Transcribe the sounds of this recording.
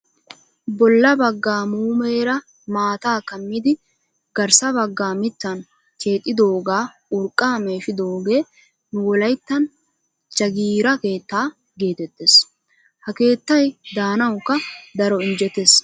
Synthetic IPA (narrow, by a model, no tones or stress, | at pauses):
bɔlːɐbɐɡːaːmuːmeːɾɐ | maːt̪aːkɐmːɪd̪ɪ | ɡ̥ɐɾsɐbɐɡːaːmɪt̪ːɐn | kʰe̞ːt̪ʼːɪd̪o̞ːɡaː | ʊɾkʼːaːme̞ːʃɪd̪o̞ːɡe̞ː | nʊwɔlɐjt̪ːɐn | t͡ʃɐɡiːɾɐke̞ːt̪ːaː | ɡe̞ːt̪ɛt̪ːes | hɐke̞ːt̪ːɐjd̪aːnɐwkːɐd̪ɐɾɔɪnd͡ʒɛt̪ːes